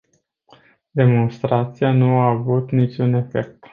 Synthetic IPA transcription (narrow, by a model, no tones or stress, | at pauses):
d̪e̞mo̞nst̪ɾat̪sianuaːvut̪nit͡ʃʲune̞fe̞k̚t̪